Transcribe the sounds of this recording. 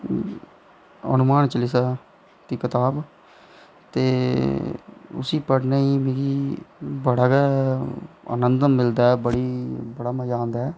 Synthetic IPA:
ə̰nʊmaːnt͡ʃəlisaː | t̪iːkɪt̪aːb | t̪eː | ʊ̰siːpəɽnaːiːmeːɡiːbəɽaːɡaːɛə̰nənd̪əmːɪld̪aːɛːbəɽiːbəɽaːməjaːnd̪ɛː

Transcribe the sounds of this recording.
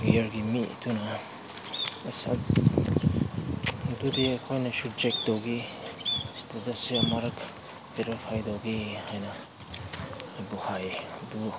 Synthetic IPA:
iɐɾɡimḭtʰunɐ | ɐsa̰ | dudiɐkʰojnɐsud͡ʒek̚d̥owɡi | studasiɐmaɾɐk | beɾipʰajdowɡihajnɐ | buhajbu

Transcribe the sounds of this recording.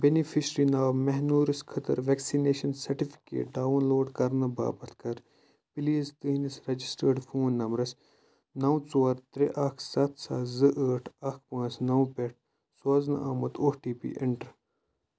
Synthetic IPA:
benifʰiʃɾinaːwmɛɦnuːɾiskʰɐt̪ɐ̰ɾʋeksineːʃɐnsɐɾʈifʰi̥kḛːʈ̚ɖaːunloːɖkɐɾnɐba̰ːbɐt̪ʰkɐɾ | pilizt̪ɨɦnisɾɐd͡ʒisʈəɾɖfʰoːnːɐmɾɐs | nɐwt͡soːɾt̪ɾeʔɐkʰsɐt̪ʰsa̰ːzɨʔəːʈʰɐkʰpãːt͡snɐwpeʈ̚ʰ | saːznɐ̰aːmɐt̪ʰoːʈiːpḭʔɪ̰ɳʈɾ

